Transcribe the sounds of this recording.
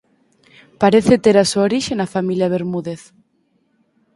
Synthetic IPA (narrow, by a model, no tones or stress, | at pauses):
paɾeθet̪eɾasuaoɾiʃenafamiljɐβeɾmuðeθ